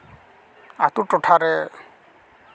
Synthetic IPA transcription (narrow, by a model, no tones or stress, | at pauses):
atutɔtʰaɾɛ